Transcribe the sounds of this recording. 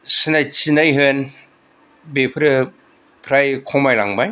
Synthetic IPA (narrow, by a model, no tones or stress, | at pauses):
sinajt͡ʃinajɦɯn | bepʰɾɯ | pʰɾajkʰɔmajlaŋbaj